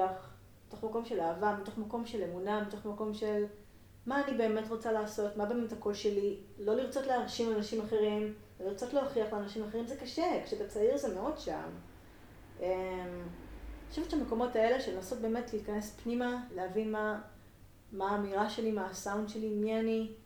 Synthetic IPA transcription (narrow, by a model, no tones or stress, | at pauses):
aχ | mito̞χmako̞mʃe̞laːvamito̞χmako̞mʃe̞le̞munamito̞χmako̞mʃe̞l | maːnibe̞ːme̞tʁo̞t͡salaːso̞tmabe̞ːmetako̞lʃe̞lilo̞liʁt͡so̞tleɦaʁʃimanaʃimaχe̞ʁim | veliʁt͡so̞tleɦoχiaχleanaʃimaχeʁimzekaʃekʃebet͡saiʁzemeo̞dʃa̰m | ʔem | o̥ʃevet͡ʃeame̞ko̞mo̞tae̞leʃelnaso̞t̚be̞ːme̞tleitkanespnimaleavinma | maːmiʁaʃe̞limaːsawundʃe̞limiani